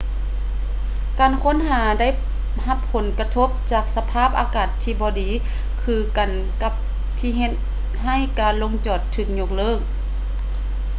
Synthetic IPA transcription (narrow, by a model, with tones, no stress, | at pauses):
kaː˨˩nkʰo˧˥˨nɦaː˨˦da˥˨j | ha˧pʰːo˨˦nka˧t̪ʰo˧˥p̚t͡ɕaː˧˩k̚sa˧pʰaː˥˨p̚ʔaː˧˦kaː˨˩t̪ʰːiː˧bɔː˧˦diː˨˦ | kʰɯː˧ka˨˩n | ka˧p̚ | t̪ʰiː˧ɦe˧t̪̚ | ɦa˧˩˨jkaː˨˩nlo˧˥ŋt͡ɕɔː˨˩t̪ʰːɯː˧˩k̚ɲo˧k̚lɤː˥˩k̚